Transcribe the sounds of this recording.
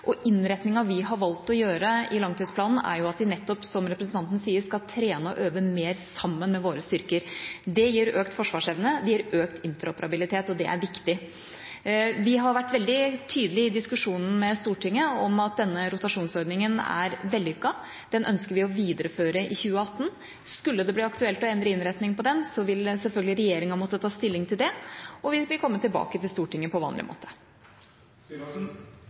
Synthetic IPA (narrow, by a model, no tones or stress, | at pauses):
ʔɔʔɪnɾɛt̪nɪŋɑʋɪɦɑɾʋɑlt̪ɔjøːɾəɪlɑŋt̪iːd̪spʰlɑːnn̩æ̰ɾjʊɑt̪̚d̪ɪnɛt̪ːɔpsɔmɾɛpɾəsn̩t̪ʰɑnt̪ənəsiːəɾskɑlt̪ʰɾeːnəɔ̰ʔøːʋəmeːɾsɑmːənmɛʋoːɾəst̪ʏɾkəɾd̪ɛjiːɾøːkt̪fɔʂʋɑːʂɛʋnəd̪ɛjiːɾøːkt̪ɪnt̪əɾɔpəɾʔɑbɪlɪt̪ʰeːt̪ɔd̪ɛʔæ̰ɾʋɪkt̪ɪ | ʋɪɦɑɾʋæʈːʋɛld̪ɪt̪ʰyːd̪əlɪɪd̪ɪskʉʂuːnn̩mɛst̪uːʈʰɪŋːəɔmɑt̪̚d̪ɛnːəɾʊt̪ɑʂuːnsɔɾd̪nɪŋənæ̰ɾʋɛld̪ɪʏkːɑ | d̪̥ɛnʔœ̰nskəɾʋɪɔʋiːd̪əɾəføːɾəʔɪ̰çʉːəɑt̪ːn̩ | skʉlːəd̪ɛb̪iːɑkt̪ʉɛlt̪ɔɛnd̪ɾəɪnɾɛt̪nɪŋpɔd̪ɛnsɔʋɪlsɛlfœlɡlɪɾɛjeːɾɪŋɑmɔt̪ːət̪ʰɑːst̪ɪlːɪŋt̪ʰɪld̪ɛɔʋɪʋɪlkʰɔmːət̪ɪlbɑ̰ːkət̪ɪlst̪uːʈʰɪŋːəpʰɔʋɑ̰ːnlɪ̰mo̰ːt̪ʰə̥